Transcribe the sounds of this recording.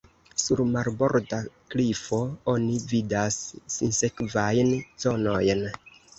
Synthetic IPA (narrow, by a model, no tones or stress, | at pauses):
suɾmaɾbo̞ɾdaklifo̞o̞nividasːinse̞kvajnz̥o̞no̞jn